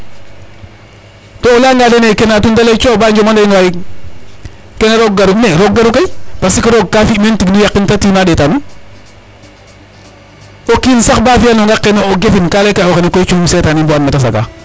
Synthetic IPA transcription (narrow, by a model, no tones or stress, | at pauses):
toolaŋɡadenekenatundalet͡ʃoːbaɲd͡ʒomandaŋaji | kenaɾoɡ̚ɡaɾuneɾoɡɡaɾukapasikiɾoɡ̚kafimentiknujakːintatiːmadetani | okinsakbafijanoŋɡakːenooɡefinkalekaokenekot͡ʃumisetanimboanmetas̬a̰ɡa̰